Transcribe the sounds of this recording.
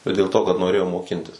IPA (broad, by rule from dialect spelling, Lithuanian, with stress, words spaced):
bʲɛt dʲeːlˠ ˈtoː kɐt noːˈrʲeːjoːm moːˈkʲɪnʲtʲɪs